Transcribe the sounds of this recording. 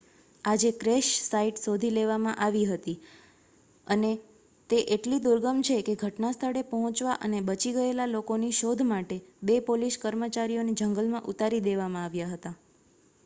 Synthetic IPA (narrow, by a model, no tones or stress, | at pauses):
ad͡ʒekɾeʃsaiʈsod̪ʱileʋamãʔaʋiɦət̪i | əne | t̪eʔeʈlid̪uɾɡəmt͡ʃʰekeɡʱəʈnast̪ʰəɽepəɦɔ̃t͡ʃʋaʔənebət͡ʃiɡəelalokoniʃod̪ʱmaʈebepoliskəɾmət͡ʃaɾijoned͡ʒəŋɡəlmãʔut̪aɾid̪eʋamãaʋjaɦət̪a